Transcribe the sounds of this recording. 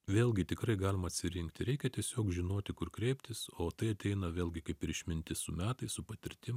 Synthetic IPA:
ʋʲeːlˠʲɡʲɪt̪ʲɪkɾɐɪɡɑːlʲɪmɐt̪ʲsʲɪɾʲɪŋkt̪ʲɪɾʲɛɪkʲɛt̪ʲiɛsʲoːkʒʲɪnoːt̪ʲɪkʊɾkɾʲɛɪpʲt̪ʲɪsoːt̪ɐɪɐt̪ʲɛɪnɐʋʲeːlʲɡʲɪkɐɪpɪɾɪʃʲmʲɪnʲt̪ʲɪsʊmʲæːt̪ɐɪsʊpɐt̪ʲɪɾʲt̪ʲɪm

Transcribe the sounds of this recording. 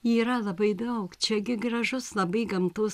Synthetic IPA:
iːɾɐlˠɐbɐɪd̪ɐʊkt͡ʃʲɛɡʲɪɡɾɐʒʊslˠɐbɐɪɡɐmt̪ʊs

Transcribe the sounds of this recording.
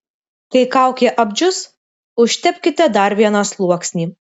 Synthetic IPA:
kɐɪkɑˑʊkʲɛʔɐbʲd͡ʒʲʊs | ʊʃʲt̪ʲɛpʲkʲɪt̪ʲɛd̪ɐɾʋʲiɛnɑslˠuɔksʲnʲiː

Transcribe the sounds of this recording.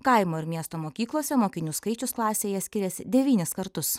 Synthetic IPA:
kɐɪmoːɪɾmʲiɛst̪oːmoːkʲiːklˠoːsʲɛmoːkʲɪnʲuːskɐɪt͡ʃʲʊsklˠɑːsʲeːjɛsʲkʲɪɾʲɛsʲɪd̪ʲɛʋʲiːnʲɪskɐɾt̪ʊs

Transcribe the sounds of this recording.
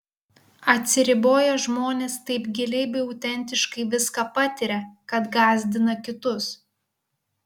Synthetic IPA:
ɐt̪ʲsʲɪɾʲɪboːjɛʒmoːnʲeːst̪ɐɪpɡʲɪlʲɛɪbʲɛɪɐʊt̪ʲɛnʲt̪ʲɪʃkɐɪʋʲɪskɑpɐt̪ʲɪɾʲɛkɐt̪ɡɑːzʲd̪ʲɪnɐkʲɪt̪ʊs

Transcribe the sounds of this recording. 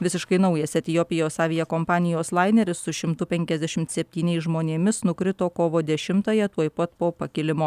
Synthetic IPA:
ʋʲɪsʲɪʃkɐɪnɐʊjɛsʲɛt̪ʲɪjoːpʲɪjoːsɑːʋʲɪjɛkoːmpɑːnʲɪjoːslˠɑɪnʲɛɾʲɪssʊʃʲɪmt̪ʊpʲɛŋʲkʲɛzʲd̪ʲæʃʲɪmt̪sʲɛpʲt̪ʲiːnʲɛɪsʒmoːnʲeːmʲɪsnʊkɾʲɪt̪oːkoːʋoːd̪ʲɛʃʲɪmt̪ɐːjɛt̪uɔjpɐt̪poːpɐkʲɪlʲɪmoː

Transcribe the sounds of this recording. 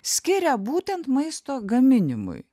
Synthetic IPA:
sʲkʲɪɾʲɛbuːt̪ʲɛnt̪mɐɪst̪oːɡɐmʲɪnʲɪmʊ̰j

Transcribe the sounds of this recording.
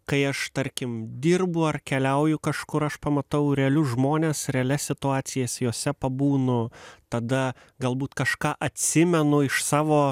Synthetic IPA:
kɐɪɐʃt̪ɐɾʲkʲɪmd̪ʲiːrbʊɐrkʲɛlʲɛʊjʊkɐʃkʊɾɐʃpɐmɐt̪ɐʊɾʲɛɐlʲʊʒmoːnʲeːsɾʲɛɐlʲɛsʲɪt̪ʊɑːt̪sʲɪjɛsʲjoːsʲɛpɐbuːnʊt̪ɐd̪ɐ | ɡɐlˠbuːt̪kɐʃkɑːʔɐt̪ʲsʲɪmʲɛnʊɪʃsɑːʋoː

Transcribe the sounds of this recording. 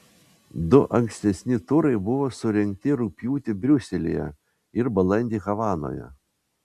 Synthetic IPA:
d̪ʊʔɐŋʲksʲt̪ʲɛsʲnʲɪt̪ʊɾɐɪbʊʋoːsʊɾʲɛŋʲk̚t̪ʲɪɾʊpʲjuːt̪ʲɪbʲɾʲʊsʲɛlʲḭjɛ̰ | ɪɾbɐlˠɐnʲd̪ʲiːɣɐʋɑːno̰ːjɛ̰

